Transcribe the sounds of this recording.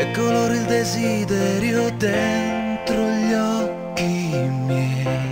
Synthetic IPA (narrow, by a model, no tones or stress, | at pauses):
ɛkːoloɾild̪ezid̪ɛɾjod̪ent̪ɾoʎɔkːimɛ